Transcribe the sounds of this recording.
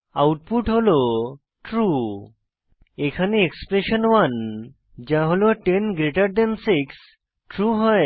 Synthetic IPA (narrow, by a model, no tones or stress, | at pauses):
awʈ̚puʈɦolo | ʈɾu | ekʰaneekspɾeɕənʋən | d͡ʑãɦolɔʈenɡɾeʈəɾd̪ensiks | ʈɾuɦəj